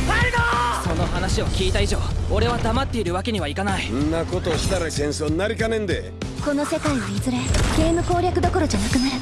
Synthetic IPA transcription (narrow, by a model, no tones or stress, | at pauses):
baɾd̪oso̞no̞hanaɕio̞kʲiːt̪aiʑo̞ːo̞ɾe̞βad̪amat̪ːe̞iɾɯ̟βake̞ɲ̟iβaikanaiõnːako̞t̪oːɕi̥t̪aɾaɡẽ̞ɰ̃soːɲinaɾʲikanẽ̞nd̪e | ko̞no̞se̞kaiβaizɨɾeɡ̥ʲe̞ːmɯ̟ko̞ːɾʲjakɯd̪o̞ko̞ɾo̞d͡ʑanakɯ̟naɾɯ̟